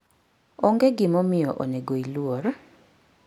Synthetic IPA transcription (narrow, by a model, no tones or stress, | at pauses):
ɔŋɡeɡɪmɔmɪjɔʔo̰neɡoilwoɾ